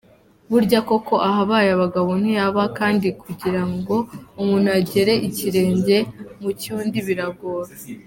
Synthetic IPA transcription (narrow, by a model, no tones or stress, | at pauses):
βuɾɟako̞ko̞ʔaɦaβaːjaβaɡaβon̥hujaβakaːndikuɟiɾaŋɡo̞umuːn̥uaɟe̞ɾe̞ʔiciɾe̞ːɲɟe̞mucuːndiβiɾaɡoːɾa